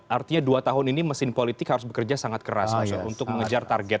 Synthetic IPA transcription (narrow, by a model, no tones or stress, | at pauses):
art̪iɲaduat̪aɦʊniniməsɪnpolit̪ɪkhaɾʊsbəkərd͡ʒasaŋat̪̚kəɾa̰sunt̪ʊk̚məŋəd͡ʒart̪arɡɛt̪̚